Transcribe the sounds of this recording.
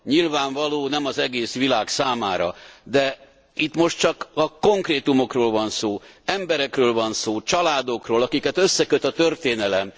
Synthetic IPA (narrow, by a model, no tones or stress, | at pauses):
ɲilvaːɱvɒloːnɛmɒzɛɡeːsʋilaːksaːmaːɾɒ̰d̪ɛ | it̪mo̞ʃt̪t͡ʃɒkɒko̞ŋkreːt̪umo̞kroːlvɒnsoːɛmbɛɾɛkrøːlvɒnsoːt͡ʃɒlaːd̪o̞kroːlɒkikɛt̪ø̞sːɛkøt̪ɒt̪ørt̪eːnɛlɛm